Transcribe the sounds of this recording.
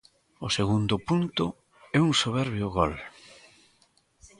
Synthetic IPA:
ʊseɣund̪ʊpunt̪ʊ | ɛuŋsoβɛɾβjʊɣɔl

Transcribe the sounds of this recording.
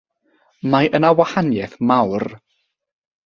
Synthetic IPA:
majʔənawahanjɛθmawr

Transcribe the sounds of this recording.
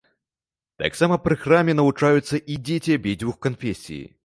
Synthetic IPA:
t̪a̰ksamɐpɾɨxramʲɛnɐvut͡ʂajut̪sːɐʔid͡zʲetʲiɐbʲed͡zʲvuxkɐnfʲesʲḭjḭ

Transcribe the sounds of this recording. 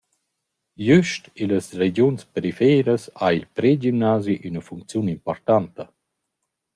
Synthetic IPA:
jyʃtiləsɾed͡ʑjunspeɾifɛːɾəsailpɾed͡ʒimnaːziʔynəfuŋk̚t͡sjunimpɔɾt̪ant̪ə

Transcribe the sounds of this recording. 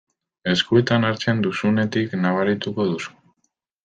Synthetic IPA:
e̞skue̞t̪anaɾt͡se̞nd̪usune̞t̪iknaβ̞aɾit̪uko̞ðusu̥

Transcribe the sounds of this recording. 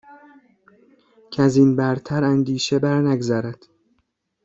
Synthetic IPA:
cʰæzinbæɾt̪ʰæɾænd̪iːʃebæɾnæɡzæɾæd̪̥

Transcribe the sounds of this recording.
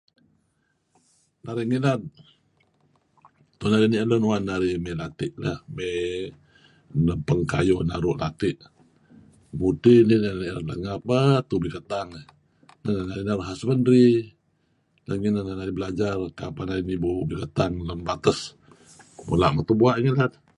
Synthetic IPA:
naɾiŋilat̪̚ | t̪unaɾiniʔələnwanːaɾimelat̪ɪʔlahme | nəpəŋka̰jonaɾʊʔlat̪ɪʔ | butininaniʔladla̰ŋapət̪ubikət̪aŋ | nananaɾinaɾuɦasəməndɾi | laŋinananaɾibəlad͡ʒarkapanaɾinibubikət̪aŋlənbat̪əs | mṵla̰ʔmat̪ubuaʔŋilad̪̚

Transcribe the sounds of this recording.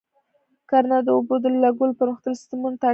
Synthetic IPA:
kaɾnad̪əobod̪əlːaɡʊlpəɾməxt̪əlsɪ̥st̪ɪmunt̪a

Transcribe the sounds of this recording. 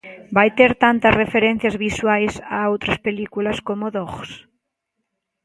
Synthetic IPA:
bajt̪eɾt̪ant̪ɐsrefeɾen̟θjɐzβiswajsaowt̪ɾɐspelikulɐskomoðoɣs

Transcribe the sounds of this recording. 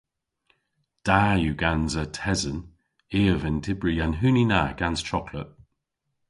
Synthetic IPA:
d̥aːjuɡanzətʰɛzən | ɪːəvɪntʰɪbɹiənɦʉːninaɡ̥anz̥t͡ʃʰɔkʰlə̰ʔ̚

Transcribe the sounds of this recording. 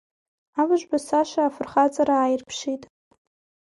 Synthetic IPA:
avɨʒʷbasaʃaːfɨrχat͡sʼaɾaːjɪrpʰʂitʼ

